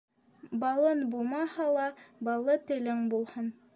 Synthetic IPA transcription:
bɑlˠɤnbulˠmɑhɑlˠɑbɑlˠɤt̪ɘ̆lɘŋbulˠhɤn

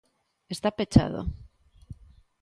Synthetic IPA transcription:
est̪apet͡ʃa̰ðo̰

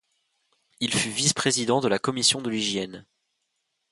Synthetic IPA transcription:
ilfyvispχezid̪ɑ̃d̪əlakɔmisjɔ̃d̪əliʒjɛn

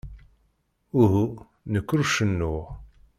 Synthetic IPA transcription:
ʊɦu | nəkːɾuʃənːʊʁ

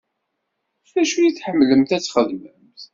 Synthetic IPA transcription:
θæʃujiθħəmːləmt̪æt͡sːχəðməmθ

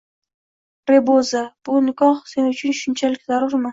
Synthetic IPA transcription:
pɾebozab̥ʊnɪkɑχsenʊt͡ʃʰɪnʃʊnt͡ʃʰalɪk̚ʲzaɾʊɾmɪ

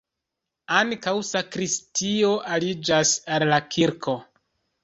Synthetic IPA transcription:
aŋkawsakɾistio̞ʔalid͡ʒasallakʰiɾkʰo̞

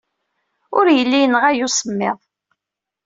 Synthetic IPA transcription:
ʊɾjəlːijənʁæjusˤəmːɪðˤ

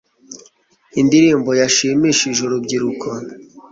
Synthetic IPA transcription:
indiɾiːmbo̞jaʃiːmiʃiʒoɾobɟiɾukʰo

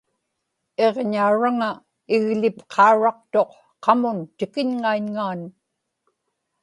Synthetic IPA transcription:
e̞ʁɲauɻaŋa | ɪɣlɪpqʰɑuɻɑqt̪o̞q | qɑmʊnt̪ɪkɪɲŋaiɲŋaːn

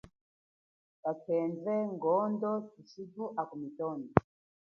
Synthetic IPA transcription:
kakʰɛnzɛŋɡɔndɔtisiduʔakumitɔni

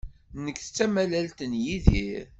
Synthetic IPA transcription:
nəkːθə̥t͡sːæmælælt̪ənjiðiɾ

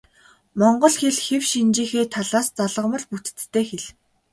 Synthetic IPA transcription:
mɔɴɢɞ̆ɮxeɮxewʃint͡ɕiːxeːt̪ʰaɮaːst͡saɮə̆mə̆ɮput̪ɘ̥̆t͡st̪ʰːeːxeɮ

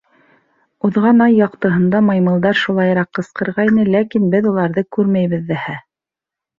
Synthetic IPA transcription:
uðʁɑnɑjːɑqt̪ɤ̆ɦɤ̆nd̪ɑmɑjmɤ̆lˠd̪ɑɾʃulˠɑjɾɑqːɤ̆sqɤ̆ɾʁɑinɘlækinbɘðulˠɑɾðɤkʉɾmæjβɘ̆ðːæhæ

